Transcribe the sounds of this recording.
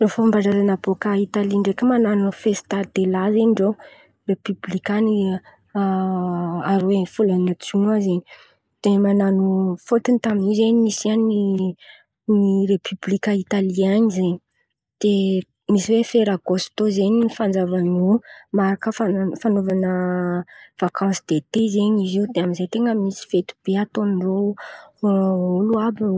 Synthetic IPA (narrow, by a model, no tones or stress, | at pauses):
lofambaɳɖ͡ʐaɾanabokait̪aliɳɖ͡ʐekʲəmananufest̪ad̪elazeniɳɖ͡ʐow | repyblikani | aɾwefulanat͡suŋazeɲi | d̪̥emananufot̪init̪aminizeɲmisiani | niɾepʰyblikəit̪aliaɲizeɲi | d̪̥e | misiwefeɾaɡost̪ozeɲifand͡zavanomaɾakəfafanovanə | v̥akʰɑ̃nsid̪et̪ezeɲiziud̪eamizejt̪eŋɡəmisi̥fet̪u̥b̥eat̪onro | uluab